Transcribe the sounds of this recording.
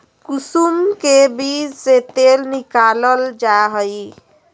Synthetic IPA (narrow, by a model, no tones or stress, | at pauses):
kusumkebid͡ʒset̪elnikaləld͡ʒaɦəj